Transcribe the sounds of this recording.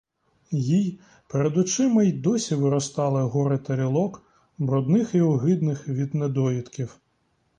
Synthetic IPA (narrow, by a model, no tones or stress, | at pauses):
jij | peɾed̪ʊt͡ʃɪmɐjd̪ɔsʲiʋɪɾɔst̪ɑlˠɪɦɔɾɪt̪ɐɾʲilˠɔk | bɾɔd̪nɪxiɔɦɪd̪nɪxʋʲid̪ned̪ɔjʲit̪kʲiw